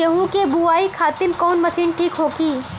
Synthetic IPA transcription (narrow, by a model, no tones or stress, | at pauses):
ɐɦũkebuaːikʰaːt̪ɪnkɔːnmɐsiːnʈʰiːkɦoːkiː